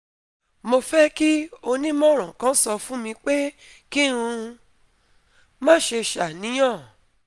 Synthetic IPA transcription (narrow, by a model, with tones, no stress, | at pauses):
mo˧fɛ˦ki˦o˧nĩ˦mɔ̃˦˨ɾ̃ã˨kã˨˦sɔ˧fũ˦mĩ˧k͡pe˦ | ki˦ɾũ˧ | mãː˦˨ʃe˧ʃa˨nĩ˨˦j̃ã˦˨